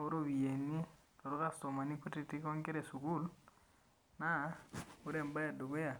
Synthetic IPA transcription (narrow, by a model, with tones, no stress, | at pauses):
o˦ɾo˦wi˨je˨ni˦ | o˨ɾo˦ka˦sto˨ma˨ni˦ku˦ti˦ti˦kɔ˦ŋke˦ɾe˨su˨ku˦l | na˦o˦ɾe˦˨mba˦ja˨do˨ɡo˦ja˨